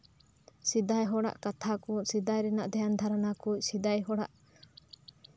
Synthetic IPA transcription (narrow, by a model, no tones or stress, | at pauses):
sid̪ajɦɔɽa̰ʔkat̪ʰakucsid̪ajɾɛnaʔd̪ɛjand̪ʱaɾanakuc̚sid̪ajɦɔɽa̰ʔ